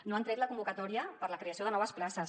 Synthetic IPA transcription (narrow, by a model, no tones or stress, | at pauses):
noant̪ɾɛt̪ləkumbukət̪ɔɾiəpəɾləkɾeəsioðənɔβəsplasəs